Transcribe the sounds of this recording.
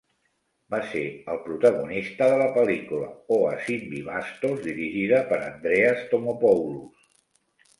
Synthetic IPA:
baseəlˠpɾut̪əɣunist̪əðələpəlikulə̰oə̰simbiβast̪ozðiɾiʒiðəpəɾə̰nd̪ɾeəst̪omopɔwlus

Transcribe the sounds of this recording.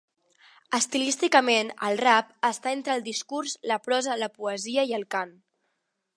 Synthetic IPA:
əst̪ilist̪ikəmenə̰lˠrap̚əst̪aent̪ɾəlˠd̪iskuɾzləpɾɔzələpuəziəiəlˠkan

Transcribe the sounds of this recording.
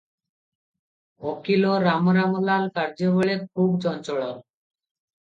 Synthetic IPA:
okiloɾamɾamɔlalkaɾd͡ʑoβɔɭek̚ʰuɡd͡ʑɔnt͡ɕɔɭɔl

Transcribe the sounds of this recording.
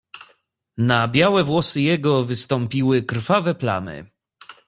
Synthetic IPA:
nabʲjawɛvwɔsɘjɛɡɔvɘst̪ɔmpʲiwɘkɾfavɛpla̰nɘ̰

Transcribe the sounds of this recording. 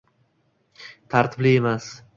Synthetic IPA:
t̪ʰaɾt̪ʰɪplɪemas

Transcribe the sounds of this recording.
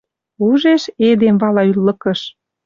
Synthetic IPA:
uʒeʃed̪emβɑlɑylːɤ̆kəʃ

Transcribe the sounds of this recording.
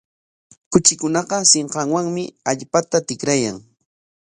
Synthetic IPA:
kʊt͡ʃɪkʊnɑqɑseɴqɑŋwaŋmɪaʎpat̪at̪ɪkɾajaŋ

